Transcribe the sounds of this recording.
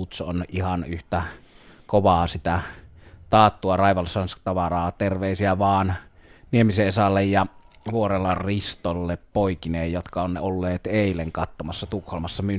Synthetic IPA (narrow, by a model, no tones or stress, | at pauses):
ut̪sonʔʔihɑnyht̪æ | koʋɑːsit̪æt̪ɑːt̪ːuɑrɑˑiʋɑlsɑnst̪ɑʋɑrɑːt̪erʋeˑisiæʋɑːnniemiseesɑlːejjɑ | ʋuorelːɑrrist̪olːeppoikineːjjot̪kɑonːeolːeːt̪eˑileŋkɑt̪ːomɑsːɑt̪ukholmɑsːɑmy